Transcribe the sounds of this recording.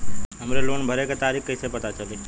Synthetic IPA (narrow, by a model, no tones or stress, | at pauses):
ɦəmɾelonbʱəɾeket̪aɾikkːəisepət̪at͡ʃʰəli